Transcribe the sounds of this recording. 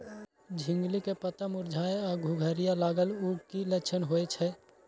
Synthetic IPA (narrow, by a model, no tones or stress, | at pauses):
d͡ʒʱɪ̃ŋɡlikepət̪əmʊɾd͡ʒʱaːeɔɡʱuɡʱəɾijalaːɡəlukilət͡ʃʰənɦoet͡ʃʰɛ